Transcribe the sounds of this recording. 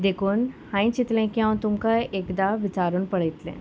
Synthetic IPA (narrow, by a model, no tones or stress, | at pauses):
d̪ekʰuːnhãĩt͡ɕit̪lẽkiãw̃t̪umkaekd̪aʋit͡saɾuːnpəɽəit̪lḛ̃